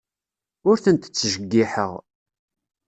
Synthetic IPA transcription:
ʊɾθənt̪ə̥t͡sːʒəɡːiħə̰ʁ

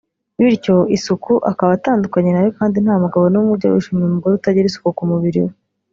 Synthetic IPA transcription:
wiɾco̞isukuʔakaβataːndukaɲenajokaːndin̥haːmuɡaβo̞numuɾɟa̰wṵʃimemuɡoɾuutaɟiɾisu̥kukumuβiɾḭwe

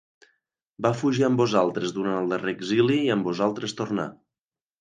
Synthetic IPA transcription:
bafuʒiəmbuzalˠt̪ɾəzðuɾanəlˠd̪əreɡziliːəmbuzalˠt̪ɾəst̪urna̰

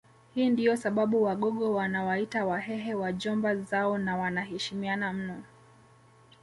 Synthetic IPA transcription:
hiːndijɔsaɓaɓuwaɠɔɠɔwanawaitawaɦɛɦɛwaʄɔmbazaɔnawanahɛʃimianam̩nɔ

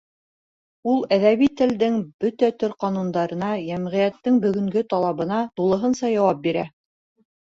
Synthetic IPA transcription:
ulˠæðæβit̪ɘ̆ld̪ɘŋbɵt̪æt̪ɵɾqɑnund̪ɑɾɤ̆nɑjæmʁɘ̆jæt̪ːɘŋbɵ̆ɡɵ̆ŋɡɵt̪ɑlˠɑβɤ̆nɑt̪ulˠɤ̆ɦɤnsɑjɑwɑp̚biɾæ

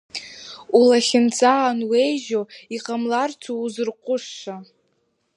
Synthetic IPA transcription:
ulaχʲɪnt͡sʼaːnwe̞jʒoiqʼamlart͡sʰouzɨrqʷʼʊʂːa

